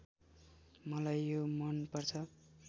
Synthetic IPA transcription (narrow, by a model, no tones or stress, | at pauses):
mʌlajːomʌnpʌrt͡sʰʌ